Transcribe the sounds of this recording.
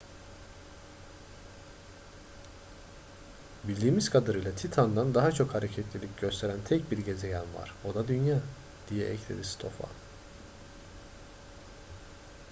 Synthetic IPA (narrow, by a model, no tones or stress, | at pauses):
bilʲd̪iːmizkʰad̪aɾɯjlˠat̪ʰit̪ʰand̪and̪aɦat͡ʃʰo̞khaɾecʰɛt̪ʰlʲilʲic̚ɟø̞st̪ʰe̞ɾænt̪ʰɛc̚biɾɟe̞ze̞jænva̰ɾ̥o̞d̪ad̪ynjaː | d̪̥ijɛʔɛ̰clʲḛd̪ist̪ʰo̞̰fa̰n